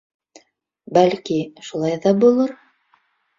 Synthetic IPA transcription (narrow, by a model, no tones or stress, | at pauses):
bælkiʃulˠɑjðɑbulˠɤɾ